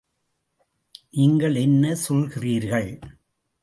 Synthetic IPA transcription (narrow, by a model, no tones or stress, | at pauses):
ʔɪŋɡɐɭɛnːɐsɔlɣɪriːɾɣɐɭ